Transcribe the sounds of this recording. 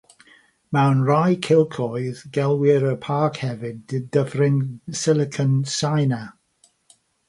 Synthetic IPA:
mawnrajkʰɪlˠkʰɔjðɡɛlˠwɪɾəpʰakhɛvɪdɪdəvrɪnsɪlɪkʰənsajna

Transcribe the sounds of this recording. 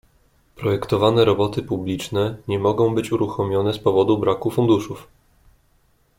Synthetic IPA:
pɾɔjɛkt̪ɔvanɛɾɔbɔt̪ɘpublʲit͡ʂnɛɲɛmɔɡɔ̃w̃bɘt͡ɕuɾuxɔmʲjɔnɛspɔvɔd̪ubɾakufund̪uʂuf

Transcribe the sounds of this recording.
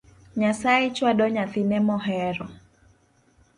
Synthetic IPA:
ɲasaɛt͡ʃwadɔɲaθinɛmɔɦɛɾɔ

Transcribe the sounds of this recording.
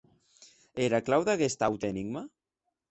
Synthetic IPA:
eɾaklawðaɣest̪awt̪ɛniɡma

